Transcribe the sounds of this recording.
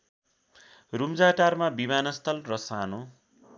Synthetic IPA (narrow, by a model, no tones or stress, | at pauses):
rumd͡zaʈarmabimanʌst̪ʰʌlrʌsano